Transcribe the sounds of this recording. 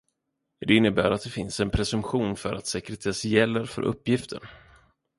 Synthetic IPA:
d̪ɛɪnːəbæːɾat̪̚d̪ɛfɪnsɛnpʰɾɛsɵmpɧuːnfœɾʔa̰t̪sɛkɾɛt̪ʰɛsjɛlːəɾfœ̰ɾʔɵ̰pːjɪft̪ʰə̰ɳ

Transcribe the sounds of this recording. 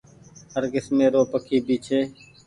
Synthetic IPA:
həɾɡɪsmẽːɾoːpəkʰiːbiːt͡ʃʰeː

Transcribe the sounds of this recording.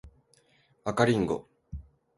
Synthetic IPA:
βakaɾʲĩŋɡo̰

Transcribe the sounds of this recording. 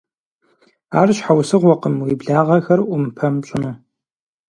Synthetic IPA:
a̰ːrɕħawsɨʁʷɔqəmwibɮaːʁɐxɐrʔʷʊmpʰɐmɕʼɪnuː

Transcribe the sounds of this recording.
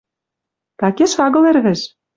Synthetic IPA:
t̪ɑkeʃɑɣɤ̆lerɣɘ̆ʃ

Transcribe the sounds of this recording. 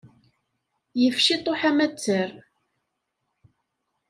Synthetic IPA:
jəfʃit̪ˤːoħæmæt͡sːəɾ

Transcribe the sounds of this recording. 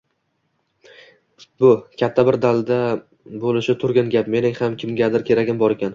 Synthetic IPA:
bʊkʲʰat̪ʰːabɪɾd̪alˠd̪a | bolɪʃɪt̪ʰʊɾɡʲanɡʲapme̞nɪŋhamkʲʰɪmɡʲad̪ɪɾkʲʰe̞ɾaɡʲɪmbɒɾekʲan

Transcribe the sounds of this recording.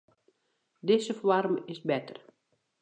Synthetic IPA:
dɪzəfwarmɪsbɛtə̰r

